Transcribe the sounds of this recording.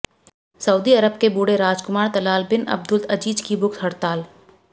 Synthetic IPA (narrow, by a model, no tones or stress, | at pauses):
sɐuːd̪iɐɾəbkebuːɽeɾaːd͡ʒkʊmaːɾt̪ɐlaːlbɪnɐ̰b̚d̪ʊlt̪ɐd͡ʒiːd͡ʒkibʊkt̪ʰɦɐɽt̪aːl